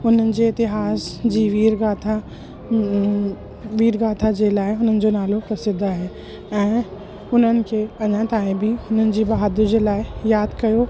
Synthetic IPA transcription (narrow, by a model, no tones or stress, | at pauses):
ʊn̤ənɪ̆d͡ʑeɪt̪ɪɦaːsd͡ʑiːʋiːɾɡaːt̪ʰa | ʋiːɾɡaːt̪ʰad͡ʑelaːɪɦʊn̤ənɪ̆d͡ʑonaːlokɐsɪd̪aɦɛː | ɛ̃ː | ʊn̤ənɪ̆kʰeɐɲãt̪aːĩbʱiɦʊn̤ənɪ̆d͡ʑiːbɐɦaːd̪ɪɾd͡ʑeːlaːɪjaːd̪kɐjo